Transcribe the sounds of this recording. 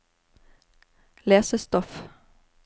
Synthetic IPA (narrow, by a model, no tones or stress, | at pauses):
leːsəst̪ɔf